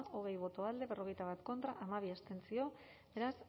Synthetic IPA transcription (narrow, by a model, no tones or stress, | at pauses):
o̞ɣ̞e̞jβ̞o̞t̪o̞ald̪e̞βe̞ro̞ɣ̞e̞jt̪aβ̞at̪ko̞nt̪ɾaʔamaβ̞iast̪e̞nt͡sio̞ | be̞ɾas